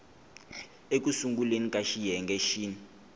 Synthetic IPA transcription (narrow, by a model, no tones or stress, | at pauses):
ek̬ʼusuŋɡulenikʼaʃijɛŋɡɛʃiːni